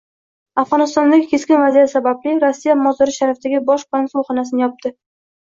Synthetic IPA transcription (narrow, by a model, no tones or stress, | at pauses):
afʁɒnɪst̪ɒnd̪aɡʲɪkʲʰe̞skʲɪnvazijat̪sabablɪɾosːijamɒzd̪ɪɾɪʃaɾaft̪ʰaɡʲɪbɒʃpansʊlˠχɒnasɪnɪjɒp̚t̪ɪ